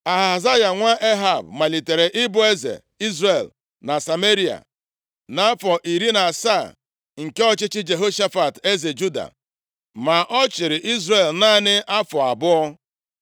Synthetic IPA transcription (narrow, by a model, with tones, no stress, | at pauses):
a˨ɦa˨ɦa˨za˦ja˨ŋʷa˦ʔe˦ɦa˨bma˨li˨te˨ɾe˨ʔɪ˦bʊ˦e˦zḛ˨ | i˦zre˦˨l | na˨sa˨me˦ɾi˦a̰˨ | na˨˦fɔ˨ʔi˨ɾi˦na˨sa˦˨ | ŋ̩˨ke˦ɔ˦t͡ʃɪ˦t͡ʃɪ˦d͡ʒe˨ɦo˦ʃa˦fa˨te˦ze˨d͡ʒu˦da̰˨ | ma˨ʔɔ˦t͡ʃɪ˨ɾɪ˨ʔi˦zɾe˨lna˦nɪ˦ʔa˦fɔ˨a˨bʊ˦ɔ˦